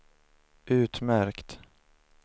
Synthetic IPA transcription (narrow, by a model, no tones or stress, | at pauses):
ʔʉ̟ːt̪mæɾkt̪